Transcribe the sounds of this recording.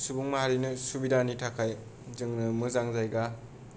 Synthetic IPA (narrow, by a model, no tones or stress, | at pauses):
subuŋmaɦaɾinɯsubidanitʰakʰaj | zɯŋnɯmɯzaŋzajɡa